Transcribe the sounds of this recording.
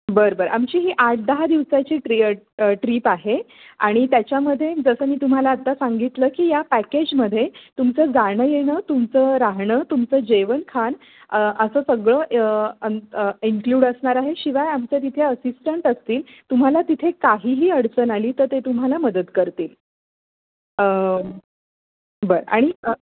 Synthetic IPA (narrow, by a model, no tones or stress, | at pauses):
bəɾbəɾamt͡ɕiːɦiːʔaʈ̚ʰd̪əɦad̪iʋsat͡ɕiːʈiʈɾiːpaɦe | a̰ɽ̃it̪jat͡ɕjaməd̪ʱːjed͡zəsəːmiːt̪um̤alaːt̪ːasaŋɡit̪ləːkiːjapæked͡ʑməd̪ʱːjet̪umt͡səːd͡zaɽ̃əjeɽ̃ət̪umt͡səɾaɦɳəːt̪umt͡səːd͡ʑeʋənkʰan | əəsəːsəɡɭəːʔəiŋkluːɽəsɳaɾaɦeɕiʋajamt͡sət̪̬it̪ʰeəsisʈəɳʈəst̪iːlt̪um̤alat̪it̪ʰekaɦiːɦiːəɽt͡sənaliːt̪əɾt̪et̪um̤alaməd̪ət̪kəɾt̪iːl | ə | bəɾa̰ɽ̃i